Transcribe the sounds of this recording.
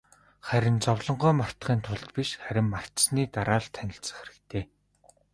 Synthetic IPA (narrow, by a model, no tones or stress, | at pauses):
χæɾʲɪ̆nt͡sɔwɮɞ̆ɴɢœːmar̥t̪χiːnt̪ʰʊɮt̪piʃχæɾʲɪ̆mːar̥t̪sniːt̪aɾaːɮt̪ʰænʲɪ̆ɬt͡sə̆χeɾɘ̆kt̪ʰeː